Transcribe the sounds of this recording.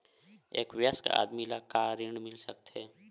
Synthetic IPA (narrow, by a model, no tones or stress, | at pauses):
eːkwjəska̰ːd̪milakaːɾɪɳmɪlsək̚t̪ɦɛː